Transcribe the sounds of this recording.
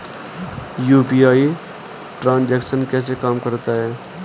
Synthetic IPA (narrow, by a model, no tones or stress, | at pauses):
juːpiaːi | ʈɾãːnd͡ʒɛːksənkɛːs̬ekaːmkəɾt̪aɦɛː